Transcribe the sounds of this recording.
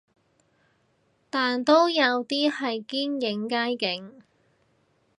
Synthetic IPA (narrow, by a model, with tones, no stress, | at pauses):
t̪aː˨nt̪o˥wjɐ˨˧wt̪iː˥hɐ˨jkiː˥njɪ˨˥ŋkaː˥jkɪ˨˥ŋ